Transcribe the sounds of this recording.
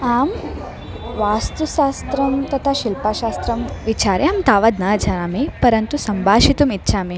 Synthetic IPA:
aːm | ʋaːst̪uʃaːst̪ɾɐmt̪ɐt̪ʰaʃilpaʃaːst̪ɾɐmʋit͡ʃaːɾeaːmt̪aːʋɐd̪nad͡ʒʱɐamipɐɾɐnt̪usɐmbʱaːʃit̪umit̪ːʃʰaːmi

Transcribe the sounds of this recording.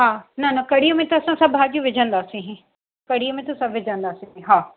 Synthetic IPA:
ɦaːnɐnɐkɐɽ̤ijomẽt̪ɐsãsɐbʱɦaːd͡ʑijũʋɪd͡ʑʱə̃nd̪aːsĩɦ | kɐɽ̤ijəmẽt̪ɐsɐ̃ʋɪd͡ʑʱə̃nd̪aːsĩɦɦaː

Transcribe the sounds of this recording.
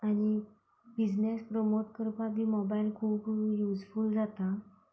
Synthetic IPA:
aɽ̃i | bid͡znespɾomoʈkəɾpat̪iːmɔbailkʰuːbjud͡zfuld͡zat̪a

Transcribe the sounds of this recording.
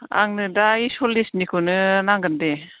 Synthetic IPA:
a̰ŋnɯdaisɔlisnikʰɯnɯnaŋɡɯnde

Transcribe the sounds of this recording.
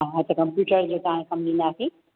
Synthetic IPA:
ɦɐt̪ɐkɐmpjuːʈəɾd͡ʑot̪ɐɦãkɐmɗĩːnd̪aːsĩ

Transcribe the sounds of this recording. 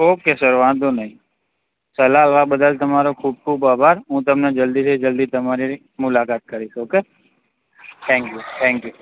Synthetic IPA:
oːkesɐɾʋãːnd̪onɐɦĩ | sɐlaːlʋabəd̪əlt̪ɐmaːɾokʰuːb̚kʰuːbaːbʱaːɾɦũːt̪̬ɐmned͡ʒɐld̪ised͡ʒɐld̪it̪ɐmaːɾi | mʊlaːkaːt̪̚kɐɾioːkeː | t̪ʰɛ̃ːŋkjuːt̪ʰɛ̃ːŋkjuː

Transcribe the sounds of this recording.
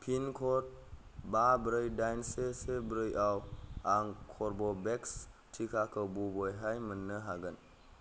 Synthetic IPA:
pʰinkʰɔt̚babɾɯjdajnsesebəɾɯjʔawaŋkʰɔɾbɔbɛkstʰikʰakʰəbubɔjɦajmənːɯɦaɡɯn

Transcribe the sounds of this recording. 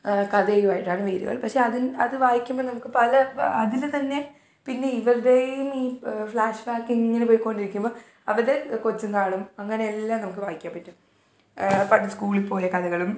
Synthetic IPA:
kɐðejumaːjiʈːaːɳɨʋeːɾṵɣɐ̰ɭpɐkʂe̞ɐðinɐðɨʋaːjikʲːumbonɐmukːɨpɐlɐɐðilt̪ɐnːe̞ | pinːe̞iʋɐrɖejjumiːfɭaːʂʋaːkːiiŋŋːɐnepoːjikːo̞ɳɖiɾikʲːumboː | ɐʋɐɾðekot͡ɕːumkaːɳumɐŋːɐne̞elːaːmnɐmukːɨʋaːjikʲːaːmpːɐtːum | pɐɽiskuːɭilpo̞ːjɐkɐðɐɣɐɭum

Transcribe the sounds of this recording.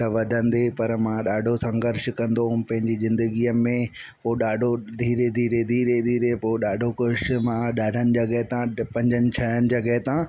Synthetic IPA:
t̪ɐʋɐd̪ʱə̃nd̪epɐɾmãɗaːɖʱosɐ̃ŋɡəɾʃkɐ̃nd̪õpɐ̃ɦɪ̃ɲd͡ʑizɪ̃nd̪əɡiːəmẽ | poɗaːɖʱod̪ʱiːɾed̪ʱiːɾed̪ʱiːɾed̪ʱiːɾepoɗaːɖʱokʊʃmãɗaːɖ̤ʱənɪ̆d͡ʑɐɡəɦt̪ãpɐ̃ɲd͡ʑənɪ̆t͡ɕʰɐənɪ̆d͡ʑɐɡəɦɪt̪ã

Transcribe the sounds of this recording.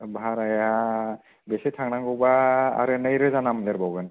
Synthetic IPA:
baɾaja | besetʰaŋnaŋɡɯwba̰ːɾɯnajɾɛzanamleɾbawɡɯn

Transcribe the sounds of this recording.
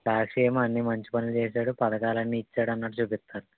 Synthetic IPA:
saːkʂɛːɐmɐnːimɐɲt͡ʃi̥pɐnilut͡ʃeːsaːɽupɐd̪ɐkaːlɐnːiːt͡ʃːaːɽɐnːaʈut͡ʃuːpist̪ːaːɾu

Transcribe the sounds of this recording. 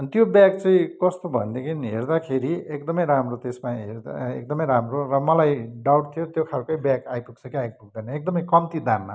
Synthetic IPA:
ʌnt̪jobjaɡt͡sʌĩkʌst̪obʱʌnd̪ekʰiniɦḛrd̪akʰeɾiekd̪ʌmʌjɾamrot̪esmaɦḛɾd̪ḛk̚d̪ʌmʌjɾamrorʌmʌlajɖawʈt̪ʰijot̪jokʰalkojbjaɡajpuk̚t͡sʰʌkiajɡpuɡ̚d̪ʌjnʌek̚d̪ʌmʌjkʌmt̪id̪amːa̰

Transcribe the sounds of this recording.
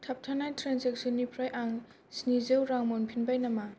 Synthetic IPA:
tʰap̚tʰanajtʰɾanseksɔnːipʰɾajʔaŋ | snizewɾaŋmɔnpʰinbajnama

